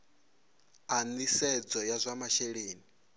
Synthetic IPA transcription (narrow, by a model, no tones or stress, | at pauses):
anisɛd͡zɔjazʷamaʃeɺeːni